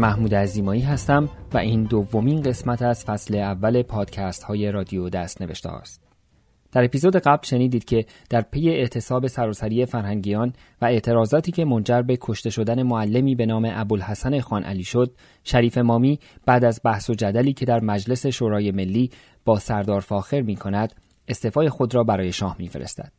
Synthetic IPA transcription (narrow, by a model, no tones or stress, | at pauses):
mæhmuːd̪eæziːmɒːiːɦæst̪æmvæ̰ʔiːnd̪ovːo̞minɢe̞smæt̪ʰæz̥fæsle̞ævːæle̞pʰɒːd̪̥cʰæst̪hɒːje̞ɾɒːd̪iod̪æst̪ne̞veʃt̪ḛhɒ̰ːst̪̚ | d̪̥æɾe̞piːzoːd̪e̞ɡæblʃe̞niːd̪iːd̪̥cʰe̞ | d̪̥æɾpʰe̞je̞eʔt̪ʰe̞sɒːbe̞sæɾɒːsæɾiːe̞fæɾhæŋɟiːjɒːn | væe̞ʔt̪ʰe̞ɾɒːzɒːt̪ʰiːcʰe̞mo̞nd͡ʒæɾbe̞kʰo̞ʃt̪e̞ʃo̞d̪æne̞moælːe̞miːbe̞nɒːme̞ʔæbolhæsæne̞xɒːnʔæ̰liːʃo̞d̪̥̚ | ʃæɾiːfe̞mɒːmiːb̥æːd̪æzbæhso̞d͡ʒæd̪æliːcʰe̞d̪æɾmæd͡ʒle̞se̞ʃoːɾɒːje̞me̞lːiː | b̥ɒːsæɾd̪ɒːɾfɒːxe̞ɾmiːkʰonæd̪̥ | e̞st̪eːfɒːje̞xod̪ɾɒːbæɾɒːje̞ʃɒːhmiːfe̞̰ɾḛst̪æ̰d̪̥